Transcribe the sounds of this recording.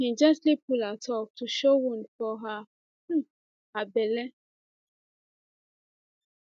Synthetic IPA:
kɛ̃nd͡ʒastlipulatʰɔk̚tuʃowũnfɔɦa | abɛlɛ

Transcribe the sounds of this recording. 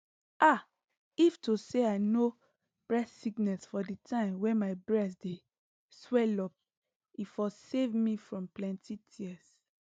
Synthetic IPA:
ʔa | iftuseaɪno | b̥ɹɛssiɡnɛlsfɔditʰãɪ̃mwɛ̃nmaɪbɹɛsde | swɛlɔp̚ | ifɔsevmifɹɔ̃mplɛ̃ntʰitʰiɛs

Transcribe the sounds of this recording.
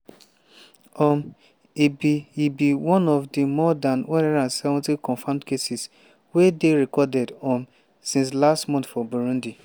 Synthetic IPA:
ɔm | ibiibiwɔ̃nɔvdimɔdãnwɛnɛɾãnsɛvɔ̃ntikɔ̃ɱfãmdkesis | wedeɾekɔdɛdɔm | sĩns̬lastmɔ̃nθfɔbuɾũndi

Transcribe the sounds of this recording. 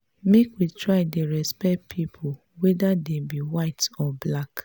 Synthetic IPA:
mekwitɹaɪdeɾɛspɛt̚pʰipʰo | wɛdadebiwaɪtɔblak

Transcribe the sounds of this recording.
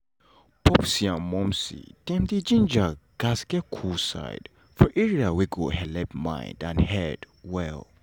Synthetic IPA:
pɔpsiãmɔmsḭtɛmd̪id͡ʒĩnd͡ʒaɡ̥asɡɛkʰusa̰ɪd | fɔʔiɹiawiɡuhɛlɛp̚mã̰j̰̃ndãnhɛd | wɛl

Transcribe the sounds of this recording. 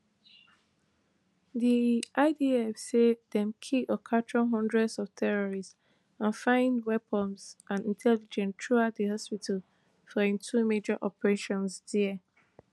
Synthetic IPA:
ðiʔaɪdiɛfsedɛ̃mkʰiɔkʰat͡ʃɔɦɔ̃ndɹɛdsɔv̥tʰɛɹɔɹis | ãnfãɪ̃ndwɛpɔmsʔãnĩntʰɛlid͡ʒɛ̃ntʰɹuatdəɦɔspitʰal | fɔĩntʰumed͡ʒaʔɔpəɹeʃɔ̃nsdɛə

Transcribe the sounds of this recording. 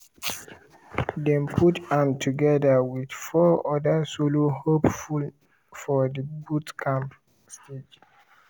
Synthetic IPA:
dɛ̃mpʰutãmtʰuɡɛdəwidfɔɔdasolohopful | fɔdəbutkʰãmp | sted͡ʒ

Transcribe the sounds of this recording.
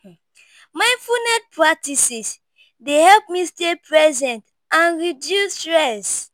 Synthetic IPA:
maɪ̃nfunɛt̚pɹak̚tisis | dehɛlp̚mistepɹɛzɛ̃nt | ãnɹidjusɹɛs

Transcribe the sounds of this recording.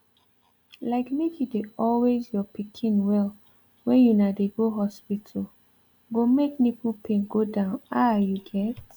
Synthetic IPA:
laɪkmekjudeɔlwezjɔpikʰĩnwɛl | wɛ̃njunadeɡoɦɔspitʰəl | ɡomeknipupʰẽŋɡodãʊ̃najuɡɛt

